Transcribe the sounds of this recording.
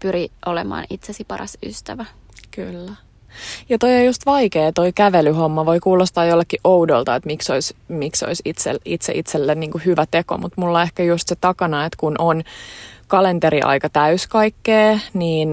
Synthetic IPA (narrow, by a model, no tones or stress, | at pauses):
pyriʔolḛmɑ̰ːnit̪sesipɑɾɑ̰sy̰st̪æʋæ | kylːæ | jɑt̪oiojust̪ʋɑikeːt̪oikæʋelyhomːɑʋoikuːlost̪ɑːjolːekːiʔoudolt̪ɑet̪miksoismikso̰isit̪sḛlit̪sḛʔit̪selːenniːŋkuhyʋæt̪eko̰mut̪mulːɑehkæjust̪set̪ɑkɑnɑet̪kunʔonkɑlent̪eɾiʔɑ̰ikɑt̪æyskɑikːeːniːn